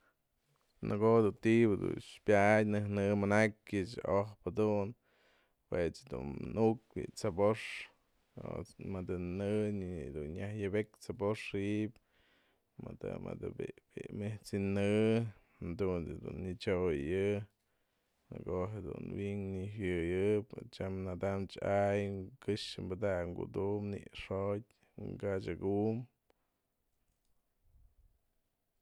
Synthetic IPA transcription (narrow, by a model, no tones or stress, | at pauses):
nʔɨɡod̪unt̪ibɨd̪ṵnʃpʲjajnɨhnɨmanakʲɨt͡ʃohpad̪un | pwet͡sd̪ṵnnuk̚bḭt͡saboʂ | o̰mɨd̪ɨnɨd̪unɲahjɨbekt͡saboʂiʔp | mad̪a̰ma̰d̪ɨbibimeht͡sinɨ | nd̪uned̪ṵnːit͡ʃojjɨ | ɨ̰koɦed̪ṵnwiŋniɦjɨjɨpt͡ʃamnad̪amt͡ʃajkɨʂɨmbɨd̪akŋɡṵd̪umnḭʔʂotʲ | ŋɡat͡ʃaɡum